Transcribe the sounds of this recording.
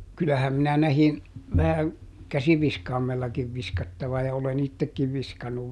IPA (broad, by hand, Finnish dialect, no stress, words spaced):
kylːæhæm minæ næhin ʋæhæŋ kæsiʋiskɑːmelːɑkiʋ ʋiskɑtːɑʋɑ jɑ olen itːekːiʋ ʋiskɑnːuʋ